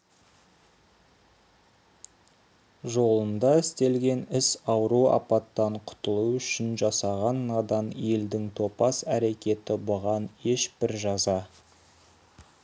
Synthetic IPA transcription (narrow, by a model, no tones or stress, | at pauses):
ʒo̞lˠənd̪ɑɪst̪e̞lɡʲe̞nɪsɑwɾuɑ̰pɑt̪ːɑɴqʰʊ̥t̪əlˠuʏʃɪnʒɑsɑʁɑnːɑd̪ɑnje̞ld̪ɪŋt̪ʰo̞pɑsæɾe̞kʲe̞t̪ɪbʊʁɑne̞ʃbɪɾʒɑzɑ